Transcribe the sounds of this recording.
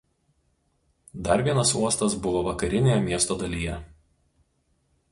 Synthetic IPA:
d̪ɐɾʋʲiɛnɐsuɔst̪ɐsbʊʋoːʋɐkɐɾʲɪnʲejɛmʲiɛst̪oːd̪ɐlʲiːjɛ

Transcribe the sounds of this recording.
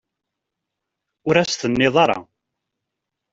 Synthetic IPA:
ʊɾæsθənːɪðˤɑɾˤɑ̰

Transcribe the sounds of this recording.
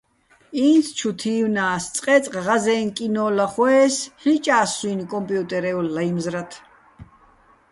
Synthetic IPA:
iːnt̪ʰt͡ʃʰut̪ʰiːwnaːst͡s̪ʼqʼɛt͡sʼqʼʁazɛːnkʼinɔːlaχwɛːsħit͡ʃʼaːsuːnkʼɔmpʼjut̪ʼɛɾɛulːajmzɾat̪ʰ

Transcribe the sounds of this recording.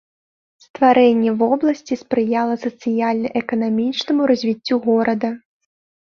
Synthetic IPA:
st̪vaɾɛnʲːɛvɔblˠɐsʲt͡sʲispɾɨjalˠɐsɐt̪sɨjalʲnɐʔɛkɐnamʲit͡ʂnɐmuɾɐzʲvʲit͡sʲːuɣɔɾɐd̪ɐ

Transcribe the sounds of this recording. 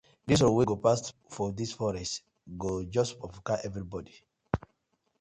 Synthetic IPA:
dis̬ɔweɡopastfɔdisfɔɹɛst | ɡod͡ʒɔspɹɔvɔkaɛvɹibɔdi

